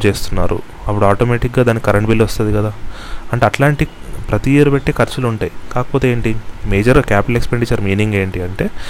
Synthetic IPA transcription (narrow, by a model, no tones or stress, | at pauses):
t͡ʃe̞ːst̪unːa̰ːɾṵ | ɐpːuɽuaːʈoːmeːʈik̚ɡaːd̪aːnːikʲikɐɾɐɳʈbiːlːiʋɐst̪und̪ikɐd̪aː | ɐɳʈeɐʈlaːɳʈi | pɾɐt̪iiːɾupeʈːeːkɐɾt͡ʃɐluɳʈaːjikaːkɐ̥po̞ːt̪eeːɳʈimeːd͡ʒɐɾkʲaːpiʈɐlekspeɳɖit͡ʃɐɾmiːniŋɡe̞ːɳʈiɐɳʈe̞ː